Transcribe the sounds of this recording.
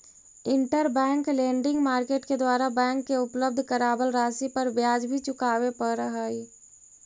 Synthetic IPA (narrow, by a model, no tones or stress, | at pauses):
ɪ̃ɳʈəɾbɛ̃ːŋklẽːɳɖɪ̃ŋɡmaːɾkeːʈked̪waːɾabɛ̃ːŋkːeʊpləb̚d̪ʱkəɾaːbəlɾaːsipəɾbjaːd͡ʒbʱit͡ʃʊkaːwepəɾɾəɦəːi